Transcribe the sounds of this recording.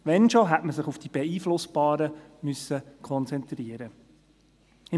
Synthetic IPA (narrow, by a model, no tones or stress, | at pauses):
ʋɛnʃoɦætməsɪχufd̥ib̥ɛiːflʊsb̥ɑːɾəmʏsːəkʰɔnt͡sɛnt̪ɾiəɾə | ɪ